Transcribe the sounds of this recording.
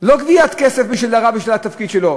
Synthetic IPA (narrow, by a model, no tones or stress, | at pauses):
loɡviat̪kesefbiʃildaʁabiʃvilat̪afkid̪ʃelo